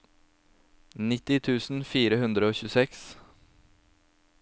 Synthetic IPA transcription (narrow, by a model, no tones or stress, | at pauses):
nɪt̪ɪt̪ʰʉːsn̩fiːɾəhʉnd̪ɾəoːçʉːsɛks